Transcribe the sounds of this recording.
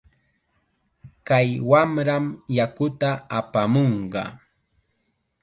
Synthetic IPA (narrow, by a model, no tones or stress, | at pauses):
kajwamɾamjakʊt̪aapamoɴɢɑ̰